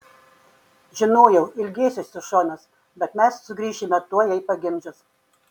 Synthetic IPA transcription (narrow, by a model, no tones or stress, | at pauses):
ʒʲɪnoːjɛʊʔɪlʲɡʲeːsʲʊsʲʊʃoːnɐs | bʲɛt̪mʲɛssʊɡɾʲiːʃʲɪmʲɛt̪uɔjɛɪpɐɡʲɪmʲd͡ʒʲʊs